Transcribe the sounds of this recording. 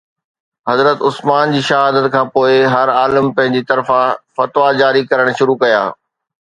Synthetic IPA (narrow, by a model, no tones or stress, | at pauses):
ɦɐzɾət̪ʊsmaːnd͡ʑiːʃɐɦaːd̪ət̪kʰãːpoːɪɦɐɾaːləmpɐ̃ɦɪ̃ɲd͡ʑit̪ɐɾfãfɐt̪ʋad͡ʑaːɾikɐɾəɽ̃ʃʊɾukɐja̰ː